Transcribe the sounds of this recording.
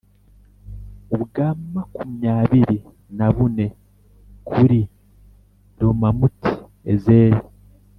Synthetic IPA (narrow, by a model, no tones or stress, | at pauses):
uβuɡaːmmakumiɲaːβiɾi | naβune̞ | kʰuɾi | ɾomamuti̥ | ezeːɾi